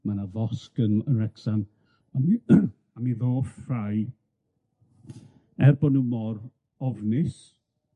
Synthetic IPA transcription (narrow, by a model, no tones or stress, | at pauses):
manavɔskənənrɛksan | ami | amiðoːfraj | ɛrbɔnumɔr | ɔvnɪs